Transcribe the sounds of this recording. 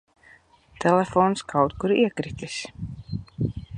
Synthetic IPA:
t̪ʰɛlɛfoːnskʰawt̪kuɾiɛkɾit̪ʲisʲ

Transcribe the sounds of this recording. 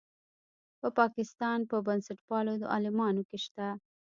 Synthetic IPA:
pəpɑkɪst̪ɑnpəbansaʈpɑlod̪ə̰ɑ̰lɪmɑnokeʃt̪a

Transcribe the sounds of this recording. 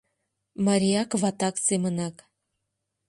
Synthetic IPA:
mɑɾʲiɑkvɑt̪ɑksemənɑk

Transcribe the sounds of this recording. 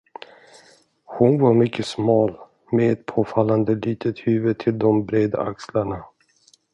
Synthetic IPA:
hʊnvaɾmʏkʰːəsmɑːl | meɛt̪̚pʰoːfalːand̪əliːt̪ʰət̪hʉ̟ːvət̪ʰɪld̪ɔmbɾeːd̪a̰ʔakslaɳa

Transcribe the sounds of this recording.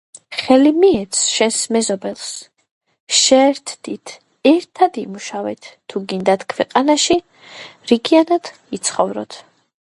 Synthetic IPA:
χɛlimiɛt̪sʰʃɛnsmɛzɔbɛlˠs | ʃɛːɾt̪ʰd̪̥it̪ʰ | ɛɾt̪ʰad̪imuʃavɛt̪ːʰuɡind̪at̪ʰkʰwɛqʼanaʃi | ɾiɡianad̪̥ | it̪sʰχɔvɾɔ̰t̪ʰ

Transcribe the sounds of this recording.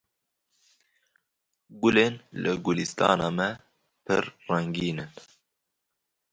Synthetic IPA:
ɡʊleːnlɨɡʊlist̪ɑ̰ːnɑːmɛ | pʰɨ̰ɾrɛŋɡiːnɨn

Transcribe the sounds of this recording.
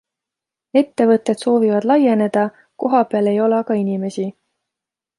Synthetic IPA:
e̞t̪ːe̞vɤt̪ːˑe̞d̪̥so̞ːvivɑd̪lɑje̞ne̞d̪̥ɑ | ko̞ɦɑpeɑle̞jo̞lɑkɑinime̞si

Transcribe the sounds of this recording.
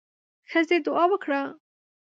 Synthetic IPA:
xəzed̪ʊɑwəkɽa

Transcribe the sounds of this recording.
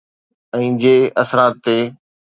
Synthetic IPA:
ɛ̃ːd͡ʑeːɐsɾaːt̪ːeː

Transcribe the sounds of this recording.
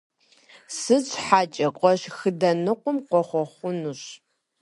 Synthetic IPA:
sɨt͡sʼħaːt͡ʃʼɐqʷʼɔɕxɨdɐnɨqʷʊmqʷɔχʷɔχʷʊnuɕ

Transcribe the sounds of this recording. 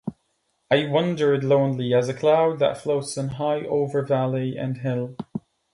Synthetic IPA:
aɪwʌ̃ndə˞dˡlõʊ̃nliəzəkʰl̥aʊd̪̚ðə̰tfloʊtsə̃nɦaɪʔoʊvə˞vælˠiə̰̃nɦɪlˠ

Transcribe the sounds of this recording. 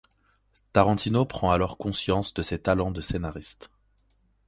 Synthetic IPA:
t̪aʁɑ̃t̪inopχɑ̃alɔʁkɔ̃sjɑ̃sd̪əsɛt̪alɑ̃d̪əsenaʁist̪

